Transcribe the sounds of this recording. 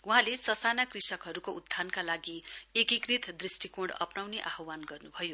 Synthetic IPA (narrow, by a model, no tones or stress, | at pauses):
uɦãlesʌsanakrisʌkɦʌɾukoud̪ʱːankalaɡiekikrit̪ʰd̪risʈikoɽʌ̰pnawneʔaɦʌwanɡʌrnubʱʌjo